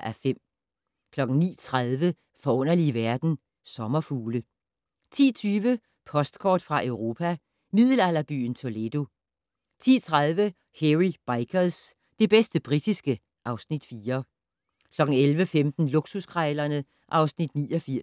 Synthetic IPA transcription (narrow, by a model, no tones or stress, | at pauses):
ʔæfem̰ | kʰlɒ̽ɡ̥n̩nḭːt͡sʰʁað̞ˠʋə | fɒ̽ɔ̽n̰ɐliʋæɐd̥n̩ | sɒ̽mɐfuːlə | t͡sʰḭːt͡sʰyːʋə | pʰɒ̽sd̥kʰɒ̰ːd̥fʁɑ̈ʔeʊʁo̝ːpʰæ | mið̞ˠl̩æl̰ɐb̥y̰ːn̩t͡sʰo̝led̥o̝ | t͡sʰḭːt͡sʰʁaðˠʋə | heʁib̥ɑ̈ɪkʰɐs | d̥e̝b̥esd̥əb̥ʁid̥isɡ̥ə | ʔɑ̈ʊsnid̥fiːɐ | kʰlɒ̽ɡ̥ŋ̩elʋəfemd̥n̩luɡ̥suskʰʁɑɪlɐnə | ʔɑ̈ʊsnid̥nḭːɒfiɐ̰